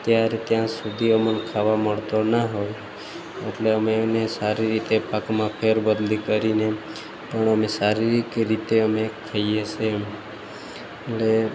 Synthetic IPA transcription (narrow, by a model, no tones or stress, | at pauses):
t̪jaɾet̪jãsud̪ʱiəmənkʰaʋaməɭt̪onaɦoj | eʈleəmenesaɾiɾit̪epəkmãpʰeɾbəd̪likəɾine | pəɳəmesaɾiɾikɾit̪eəmekʰːaijet͡ʃʰe | ele